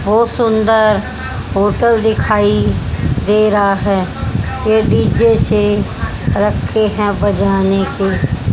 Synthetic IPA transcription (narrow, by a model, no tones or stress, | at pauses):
ʋosʊnd̪əɾ | ɦoːʈəld̪ɪkʰaːid̪eːɾɦaɦɛː | jeɖiːd͡ʒese | ɾəkʰːeɦɛ̃bəd͡ʒaːneke